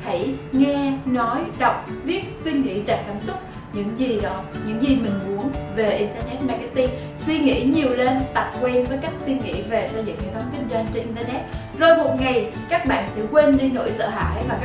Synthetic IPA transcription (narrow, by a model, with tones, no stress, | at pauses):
ha̰˧˩jŋɛ˧nɔ˨˦jɗə˨˩wk͡p̚vi˦˥ət̚swi˧ŋḭ˧˥t͡ɕa̰˧˨˩jŋkaː˧˩msʊ˦˥k͡p̚ | ɲɨ̰˧˥ŋzi˨˩ɗɔ˨˦ɲɨ̰˧˥ŋzi˨˩mï˨˩ŋ̟mu˨˦ənve˨˩ʔi˧nt̪əː˧nɛ˦˥t̚maː˨˩ka˦˥t̪i˧n | swi˧ŋḭ˧˥ɲi˨˩əwle˧nt̪a˨˩k͡p̚kwɛ˧nvəː˨˦jka˦˥jk̚swi˧ŋḭ˧˥ve˨˩sə˧jzɨ̰˧˨ŋhtʰə˨˦ŋ͡mkï˧ŋ̟zwə˧nt͡ɕe˧nʔi˧nt̪əː˧nɛ˦˥t̚ | zo˨˩jmo˨˩t̚ŋa˨˩j | kaː˦˥k̚ɓa̰ː˧˨nsɛ̰˧˥kwe˧nɗi˧nːo̰˧˥jsə̰ː˧˨ɦa̰ː˧˥˨jvaː˨˩k